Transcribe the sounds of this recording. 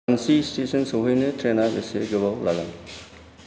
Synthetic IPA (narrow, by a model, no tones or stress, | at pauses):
ansistesɔnsɔɦɯjnɯtʰɾenabeseɡɯβawlaɡan